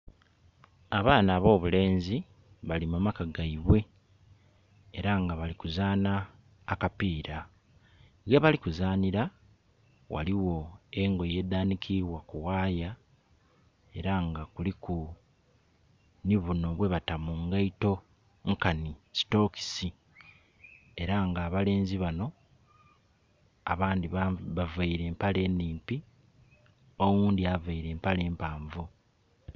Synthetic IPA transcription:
aβaːnaːβo̞ːβule̞ːnzi | βalimumakaɡaiβwe̞ | ɾaŋɡaβalikuzaːnaː | kapiːɾa | ɣaβalikuzaːniɾa | wa̰liwo̞eŋɡo̞je̞ːd̪aːnikʰiβwakuwaːja | e̞ɾaŋɡakuliku | niβuno̞βwe̞βatamuŋɡaito̞ | ŋkanici̥to̞ːki̥si | e̞ɾaŋɡaːβale̞ːnziβano̞ | a̰βaːndiββavaiɾe̞ːmpale̞ːnːiːmpi | o̞wuːndiavaiɾe̞ːmpale̞ːmpaːɱvu

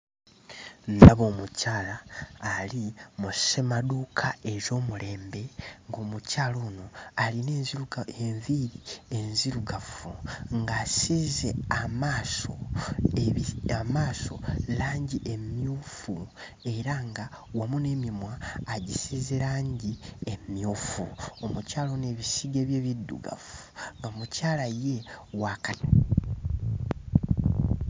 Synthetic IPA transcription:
ndaβo̞ːmucʰaːlaːlimusʃemadukʰae̞ʒo̞ːmule̞ːmbe̞ŋɡo̞ːmucaːloːnoalinezuɡeɱviɾienziɾuɡafuŋɡaːsize̞amaːso̰ | amaːso̞̰laːɲɟiʔemjuːfu | e̞ɾaŋɡa | wamune̞mimwaːɟisiːze̞ɾaːɲɟiemjuːfṵomucaːlone̞ːβisiɡe̞ːβje̞βidːṵɡa̰fu̥ŋɡamucaːlaje̞wakana

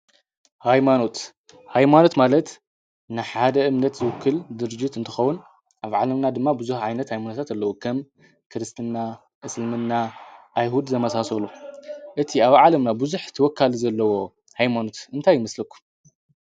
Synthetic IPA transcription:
hajmano̞t̪ | hajmano̞t̪malɐt̪ | nɨħad̪ɐɨmnɐt̪zɨwɨkʰːɨld̪ɨɾd͡ʒit̪ɨnt̪ʰɨxɐwːun | ʔaβʕalɐmnad̪ɨmːabɨzuħʕajnɐt̪hajmanot̪ʰat̪alːɐwukʰɐm | kʰɨɾɨst̪ʰɨnːa | ʔɨslmɨnːaʔajɦud̪zʰɐmɐsasɐluʔɨt̪ʰiaβʕalɐmnabɨzuħt̪ʰɐwɔkʰːalizɐlːɐwo̞ | hajmano̞t̪ɨnt̪ʰajːɪmɐslɐkʰːu̥

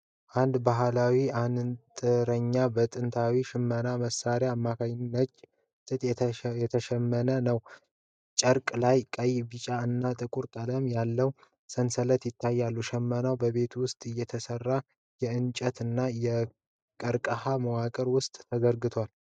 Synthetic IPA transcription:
ʔand̪baɦlawiant̪ʼɨɾəɲːabət̪ʼɨnt̪ʰawiʃɪmːənaməsːaɾjaːmːakʰaɲɪnːət͡ʃʼ | t̪ʼɨt̪ʼjɛt̪ʰəʃɛmːənənəw | t͡ʃʼəɾkʼlajkʼəjbɨt͡ʃʼaɨnːat̪ʼɨkʼuɾkʼələmjalːəw | sənsələt̪jɪt̪ʰːajːalːuʃɛmːənawbəβe̞t̪ʰwʊst̪ʼɨjːɛt̪ʰəsərːa | jɛɨnt͡ʃʼət̪ɨnːajɛ | kʼəɾkʼəhaməwakʼəɾwʊst̪ʼːʰəzəɾɡɨt̪ʰwal

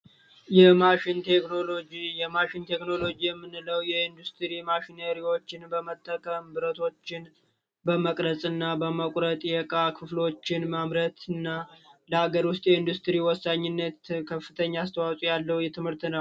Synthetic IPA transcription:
jɛmaʃɪnt̪ʰeknolod͡ʒijɛmaʃɪnt̪ʰe̞kno̞lo̞d͡ʒijɛmːɨnːɨləwjɛind̪ust̪ʰɾimaʃinəɾiwo̞t͡ʃːɪnbəmət̪ʰʼːəkʰʼəmbɨɾət̪ʰo̞t͡ʃːɪn | bəməkʼɾəsʼɨnːabəməkʼɾət̪ʼjɛkʼakʰɨflo̞t͡ʃːɪnmamɾət̪ʰɨnːaləhaɡəɾwʊst̪ʼjɛind̪ust̪ɾiwɔsːaɲːɪnːət̪kʰəfːɨt̪ʰəɲːaːst̪ʰəwawsʼujalːəwjɛt̪ʰɨmhɨɾt̪nəw

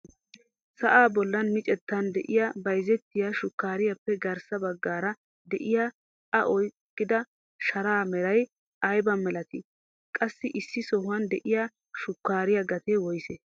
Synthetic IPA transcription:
sɐʔaːbɔlːɐnmɪt͡ʃʼɛt̪ːɐnd̪ɛʔɪjabɐjzɛt̪ːɪjaʃʊkːaːɾɪjɐpːɛɡɐɾsɐbɐɡːaːɾɐ | d̪ɛʔɪja | ɐʔɔjkːɪd̪ɐ | ʃɐɾaːmɛɾɐj | ɐjbɐmɛlɐt̪ɪ | kʼɐsːɪʔɪsːɪsɔhʊɐnd̪ɛʔɪja | ʃʊkːaːɾɪjɐɡɐt̪eːwɔjse

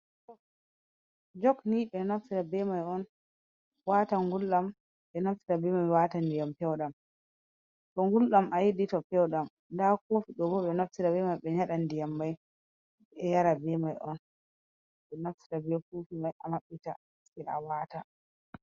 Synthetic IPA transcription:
d͡ʒɔkniɓɛnafsiɾabɛmajɔn | waːtaŋɡulɗam | ɓɛnafsiɾabɛmajwatandijampɛwɗam | tɔŋɡulɗamʔajiditɔpɛwɗam | ndakofiɗɔbɔɓɛnafsiɾabɛmajɓɛɲaɗandijamːaj | ɛjaɾabɛmajʔɔn | ɓɛnafsi̥ɾabɛfufimajamaɓːita̰ | sɛa̰wata

